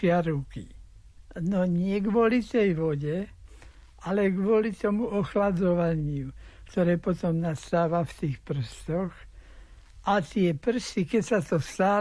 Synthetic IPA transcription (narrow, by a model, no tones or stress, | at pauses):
ɪaɾuki | nɔɲɪɛɡʋʊɔlit̪ɛjʋɔɟɛ | alɛɡʋʊɔlit̪ɔmuʔɔxlad͡zɔʋaɲɪukt̪ɔɾɛːpɔt̪ɔmnast̪aːʋaft̪iːxpr̩st̪ɔx | ʔat̪ɪɛpr̩st̪ikɛcsat̪ɔst̪aː